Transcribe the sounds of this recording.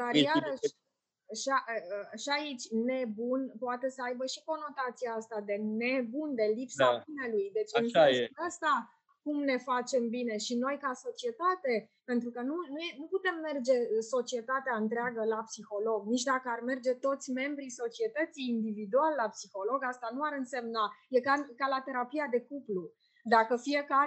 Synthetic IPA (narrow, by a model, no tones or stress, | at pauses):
d̪arjaɾəʃ | ʃaʔʃiait͡ʃʲne̞bunpoat̪e̞səajbəʃiko̞no̞t̪at̪sijaast̪ad̪e̞ne̞bund̪e̞lipsabine̞lujd̪e̞t͡ʃɨaəst̪a | kumne̞fat͡ʃe̞mbine̞ʃino̞jkaso̞t͡ʃie̞t̪at̪e̞ | pe̞nt̪ɾukənunuenuput̪e̞mːe̞rd͡ʒe̞so̞t͡ʃie̞t̪at̪eaɨnt̪ɾeaɡəlapsixo̞lo̞ɡnit͡ʃd̪akəarme̞rd͡ʒe̞t̪o̞t̪sʲme̞mbɾiso̞t͡ʃie̞t̪ət̪siːnd̪ivid̪ualːapsixo̞lo̞ɡast̪anuaɾɨnse̞mnaje̞kakalat̪e̞ɾapiad̪e̞kuplu | d̪akəfije̞ka